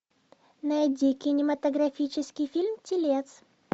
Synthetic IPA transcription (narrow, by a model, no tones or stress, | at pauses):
nɐɪdʲikʲɪnʲɪmɐt̪əɡɾɐfʲit͡ɕɪskʲɪjfʲilʲmtʲɪlʲet̪s